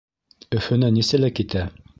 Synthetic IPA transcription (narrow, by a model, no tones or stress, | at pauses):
ɵ̆fɵ̆nænisɘlækit̪æ